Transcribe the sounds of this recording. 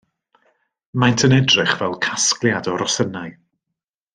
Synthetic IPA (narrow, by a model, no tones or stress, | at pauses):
majntʰənɛdrɪχvɛlˠkʰasklˠjadɔɾɔsənaɨ